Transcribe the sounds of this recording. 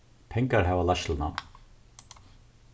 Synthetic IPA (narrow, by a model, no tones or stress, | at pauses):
pʰɛŋkaɹɦæːvalaʃlna̰